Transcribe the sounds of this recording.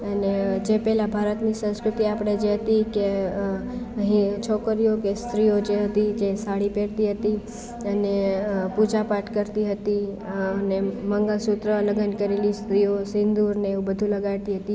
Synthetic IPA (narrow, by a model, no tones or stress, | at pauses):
əned͡ʒepɛlabʱaɾət̪nisə̃skɾut̪iapəɽ̃ed͡ʒeɦət̪ike | əɦĩt͡ʃʰɔkəɾijokest̪ɾijod͡ʒeɦət̪id͡ʒesaɽipeɽt̪iɦət̪i | ənepud͡ʒapaʈkəɾt̪iɦət̪i | əneməŋɡəlsut̪ɾələɡənkəɾelist̪ɾijosɪ̃nd̪uɾneubəd̪ʱũləɡat̪iɦət̪i